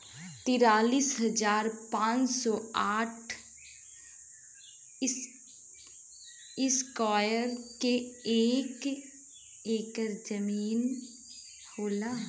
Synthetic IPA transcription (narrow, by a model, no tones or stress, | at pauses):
t̪ɪɾaːliːsɦɐd͡ʒaːɾpãːt͡ʃsɔːaːʈʰ | ɪskɔːjəɾkeeːk | eːkəɾd͡ʒəmiːn | hoːlaː